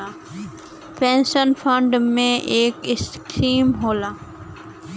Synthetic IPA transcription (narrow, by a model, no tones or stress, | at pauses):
a | pẽːnʃənfʰə̃ɳɖmẽʔeːkɪskɾiːmɦoːlaː